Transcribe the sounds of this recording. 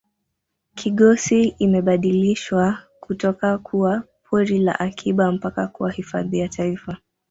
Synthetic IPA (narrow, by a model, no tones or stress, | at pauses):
kʰiɠɔsiimɛɓaɗiliʃwa | kutɔkakʰuwa | pʰɔɾila̰ʔakʰiɓam̩pakakuwahifa̰ðiatʰaifa